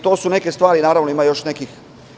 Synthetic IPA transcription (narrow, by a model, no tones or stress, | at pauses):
t̪o̞ːsuneke̞st̪ʋaːɾinaːɾaːʋnoimajo̞ʃnekix